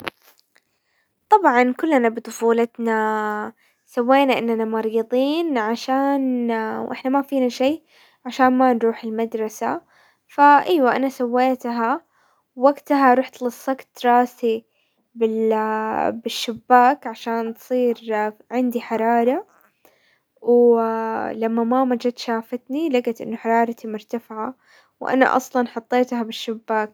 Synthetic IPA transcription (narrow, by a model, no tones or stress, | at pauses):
t̪ˤɑbʕɑnkʊlːanabɨt̪ˤʊfuːlat̪na | sawːeːnaʔɪnːanamɑɾˤiːd̪ˤiːnʕaʃaːnwʔɪħnamafiːnaʃeː | ʕaʃaːnmanɾuːħɪlmad̪ɾˤɑsa | faʔaːwaʔa̰nasawːeːt̪ɦa | wːaɡt̪aɦaɾˤuːħt̪lɨsˤːɑɡt̪ɾˤɑːsi | bɪ | bɪʃːɪbːaːkʕaʃaːnt̪sˤiːɾʕɪnd̪iħɑɾˤɑːɾˤɑ | w | lamːamamad͡ʒat̪ʃaːfat̪nilaɡat̪ʔɪ̰nːʊħɑɾˤɑːɾˤɑt̪imʊɾt̪afɪʕa | wʔa̰na̰ʔɑ̰sˤlɑnħʊt̪ˤːeːt̪habɪʃːɪbːaːk̚